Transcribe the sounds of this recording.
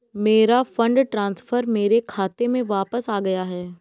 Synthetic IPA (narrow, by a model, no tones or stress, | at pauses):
meːɾafə̃ɳɖʈɾãːnsfəɾmeːɾekʰaːt̪emẽʋaːpəsaːɡɐjaɦɛː